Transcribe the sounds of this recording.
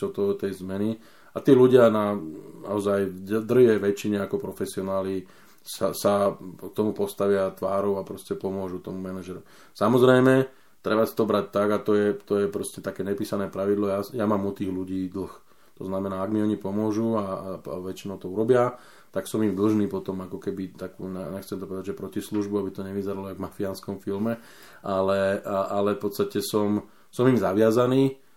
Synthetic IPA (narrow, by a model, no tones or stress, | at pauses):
ɔt̪ɔt̪ɛjzmɛni | at̪iːluɟɪanana̰ɔzajd̪r̩ɦɛʋɛt͡ʃːiɲɛakɔpɾɔfɛsiɔnaːli | sasak̚t̪ɔmupɔst̪aʋɪat̪ʋaːɾɔʊapɾɔscɛpɔmʊɔʒut̪ɔmumɛnaʒɛɾu | samɔzɾɛjmɛ | t̪ɾɛbasi̥t̪ɔbɾac̚t̪aɡat̪ɔjɛt̪ɔjɛpɾɔscɛt̪akɛːɲɛpiːsanɛːpɾaʋid̪lˠɔjaːjamaːmut̪iːɣluɟiːd̪l̩x | t̪ɔznamɛnaːaɡmiɔɲipɔmʊɔʒuaaʋɛt͡ʃinɔʊt̪ɔuɾɔbɪa | t̪aksɔmimd̪l̩ʒniːpɔt̪ɔmakɔkɛbit̪akṵːɲɛɲɛxt͡sɛmt̪ɔpɔʋɛd̪aɟʒɛpɾɔcisluʒbuabit̪ɔɲɛʋizɛɾalɔaɪvmafianskɔmfilmɛ | ʔalɛʔalɛfpɔt̪st̪acɛsɔm | sɔmimzaʋɪazaniː